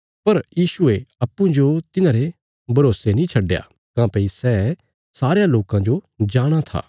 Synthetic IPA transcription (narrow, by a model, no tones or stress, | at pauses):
pɐɾjiːsʊeɐpːũd͡ʒot̪ɪnãːɾe | bʱɐɾoːsenĩt͡ʃʰɐɖːja̰ | kãːpɐisɛː | saːɾejaloːkãd͡ʒo | d͡ʒaːɽ̃at̪ʰa̰ː